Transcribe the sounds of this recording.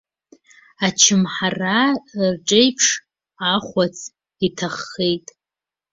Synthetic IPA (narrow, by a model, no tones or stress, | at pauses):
at͡ʃʰɪmħararʈ͡ʂʼejpʰʂ | aχʷat͡sʰʼ | itʰaχːejtʼ